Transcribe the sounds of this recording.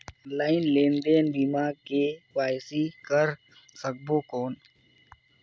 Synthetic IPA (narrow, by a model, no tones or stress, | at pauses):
laːɪnleːnd̪eːnb̪imaːɡ̚keːkaːjsiːkəɾ | sək̚boːkoːn